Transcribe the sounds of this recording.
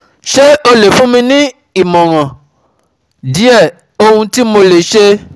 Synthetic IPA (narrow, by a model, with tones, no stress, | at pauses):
ʃe˦o˧le˨fũ˦mĩ˧nĩ˦ | i˨mɔ̃˨ɾ̃ã˨ | di˨˦ɛ˦˨ | o˧hũ˧ti˦mo˧le˨ʃe˧